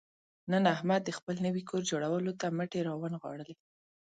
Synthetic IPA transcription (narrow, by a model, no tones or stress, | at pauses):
nənahmad̪ːəxpəlnəwikʰoɾd͡ʒoɽawəlot̪aməʈeɾɑwanɣwɑ̰ɽəle